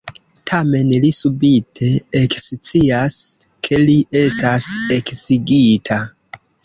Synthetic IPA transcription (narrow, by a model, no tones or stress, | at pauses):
tʰame̞nlisubitʰe̞ekst͡siaskʰe̞liʔe̞stase̞ksiɡitʰa